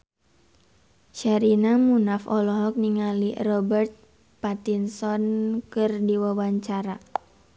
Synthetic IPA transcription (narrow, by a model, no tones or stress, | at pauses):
ʃaɾinamunafɔlɔɦɔk̚niŋalirɔbɛrt̪̚ | pat̪insɔnkɨrdiwawaɲt͡ʃaɾa